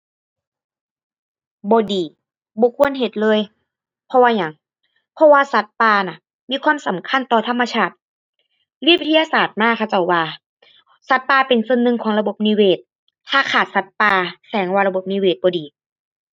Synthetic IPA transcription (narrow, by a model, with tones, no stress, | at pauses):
bɔː˨˦diː˨˦ | bɔː˧˦kʰu˧˥ənɦe˨˧˩t̪̚lɤː˧˥˨j | pʰɔ˧waː˧ɲa˨˩˦ŋ | pʰɔ˧waː˧sa˧˦t̪̚paː˧na˧˩ | miː˧˥˧kʰwaː˧˥˨msa˨˦mkʰa˧˥˨nt̪ɔː˧˩t̪ʰa˧˥mːa˧t͡ɕʰaː˧˩t̪̚ | liː˧˥˩wi˧t̪ʰːjaː˧saː˨˩t̪̚maː˧˥˩kʰa˧˩t͡ɕa˧˩wːaː˧ | sa˧˦t̪̚paː˧pe˨nso˧˨nːɯ˧ŋkʰɔː˨˦ŋla˧bo˧˦p̚niː˧weː˧˩t̪̚ | t̪ʰːaː˧kʰaː˨˩t̪̚sa˧˦t̪̚paː˧sɛː˨˩˦ŋwaː˧la˧bo˧˩p̚niː˧˨weː˧˩t̪̚bɔː˨diː˨˦